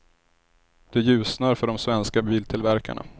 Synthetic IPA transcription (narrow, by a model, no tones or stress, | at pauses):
d̪̥ɛjʉ̟ːsnaɾfœɖɔmsvɛnskabiːlt̪ʰɪlvæɾka̰ɳa̰